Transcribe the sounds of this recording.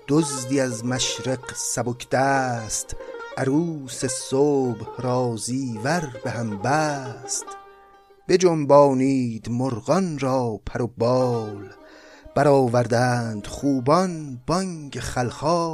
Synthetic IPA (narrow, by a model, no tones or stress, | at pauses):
d̪̥ozd̪iæzmæʃɾeqsæbokʰd̪æːst̪ʔæɾuːse̞soːbhɾɒːziːvæɾbehæmbæːst̪ | be̞d͡ʒombɒːniːd̪moɾɢɒnɾɒːpʰæɾobɒːl | b̥æɾɒːvæɾd̪ænd̪̥χuːbɒnb̥ɒŋɡeχælχɒː